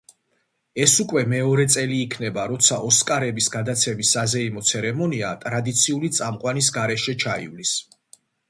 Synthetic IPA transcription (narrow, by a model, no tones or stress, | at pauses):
ɛsukʼwɛmɛɔɾɛt̪sʼɛliːkʰnɛbaɾɔt̪sʰaʔɔskʼaɾɛbisɡad̪at̪sʰɛmisːazɛimɔt̪sʰɛɾɛmɔniat̪ʼɾad̪it̪sʰiulit̪sʼamqʼwanis̬ɡaɾɛʃɛt͡ʃʰaḭvlis